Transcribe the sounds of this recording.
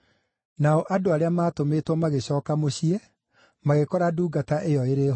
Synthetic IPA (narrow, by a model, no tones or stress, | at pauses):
naɔʔadoaɾeamaːtometwɔmaɣeɕɔːkamoɕiɛ | maɣekɔɾaduːɡataʔejɔeɾe